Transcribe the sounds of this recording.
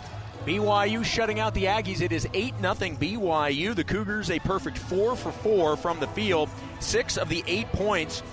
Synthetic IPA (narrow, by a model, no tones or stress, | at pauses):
b̥iwaɪjʉʃʌɾɪ̃ŋaʊt̪̚ðiæɡizɨɾɨzeɪtⁿnʌθɪ̃ŋbiwaɪjʉðɨkʰʉɡə˞zɨpʰɜ˞fɨk̚tfɔɹfə˞fɔɹfɹʌ̃mðɨfilˠd̥̚ | sɪksʌvðiʔeɪt̚pʰɔ̃ɪ̃nts